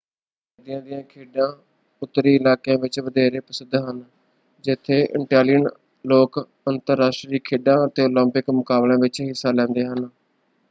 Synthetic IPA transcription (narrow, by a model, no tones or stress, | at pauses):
d̪ɪjãːd̪ɪjãːkʰeːɖãː | ʊt̪ːɾiːɪlaːkjãːʋɪt͡ʃʋəd̪ɛːɾeːpəsɪd̪ʱɦən | d͡ʒɪt̪ʰːeːʔɪ̰ʈaːlɪjən | loːk | ənt̪əɾːaːsʈɾiːkʰeːɖãːət̪eːoːlə̃mpɪkmʊkaːblãːʋɪt͡ʃɦɪsːaːlɛ̃ːnd̪eːɦən